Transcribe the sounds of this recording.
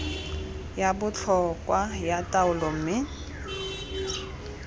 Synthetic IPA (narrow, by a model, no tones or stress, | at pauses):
jabʊt͡ɬʰɔkʼwajatʼaʊlɔm̩ːmɪ